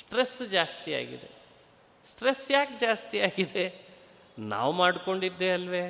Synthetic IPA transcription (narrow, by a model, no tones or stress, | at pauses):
sʈɾesd͡ʒaːst̪ija̰ːɡḭd̪e̞̰ | sʈɾesjaːkd͡ʒaːst̪ijaːɡid̪e | na̰ːʋmaːɽko̞ɳɖid̪ːeɐlʋeː